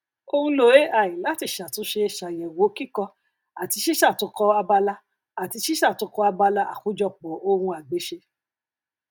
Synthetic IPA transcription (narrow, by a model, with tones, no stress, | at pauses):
o˧hũ˧lo˨˦˨e˦ʔa˨ĩ˨la˨˦ti˧˨ʃa˨tũ˨˧˦ʃe˧˨ʃa˨jɛ˨wo˨˦ki˦˨kɔ˧ | a˨ti˧ʃi˦ʃa˦˨tu˧˦kɔ˧a˧ba˧la˦ | a˨ti˧ʃi˦ʃa˦˨tu˧kɔ˧a˧ba˧la˦ʔa̰˨ku˨˦d͡ʒɔ˧k͡pɔ˨o˧hũ˧a˨ɡ͡be˨˦ʃe˧